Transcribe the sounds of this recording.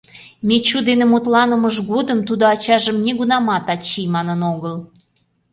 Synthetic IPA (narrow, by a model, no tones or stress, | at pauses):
met͡ɕud̪enemut̪lɑnəməʒɡod̪əmt̪ud̪oɑt͡ɕɑʒəmnʲeɣunɑmɑt̪ɑt͡ɕimɑnənoɣəl